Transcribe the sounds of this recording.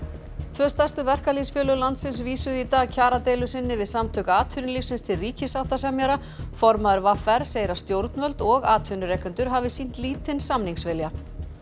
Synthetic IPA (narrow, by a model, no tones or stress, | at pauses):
t̪ʰvœːst̪ḁst̪ʏvɛr̥kalisfjœːlʏlant̪sɪnsviːsʏðit̪aːɣcʰaːɾat̪ejlʏsɪnːɪvɪðsamt̪ʰœːkaaːt̪ʰvʏnɪliːfsɪnst̪ʰɪlriːcɪsawht̪asɛmjaɾa | fɔɾmaðʏɾvafɛɾ̥seːjɾḁst̪jowɾt̪nvœlt̪ɔɣaːt̪ʰvʏnʏɾɛkʏnt̪ʏɾɦavɪsin̥t̪liːt̪ɪnsamniŋsvɪlja